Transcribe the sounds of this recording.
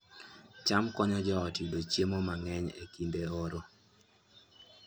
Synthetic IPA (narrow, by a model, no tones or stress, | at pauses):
t͡ʃamkɔɲɔd͡ʒɔɔtidot͡ʃjemɔmaŋɛɲḛkindeoɾo